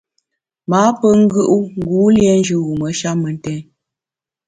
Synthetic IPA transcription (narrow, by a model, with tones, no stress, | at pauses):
maː˨˦pə˦ŋ̩˦ɡɯ˦ʔu˦ŋ˦ɡu˨˦ljɛ˦n˦d͡ʒʉ˨wu˨mə˨˦ʃa˦mə˨n˦tɛ˦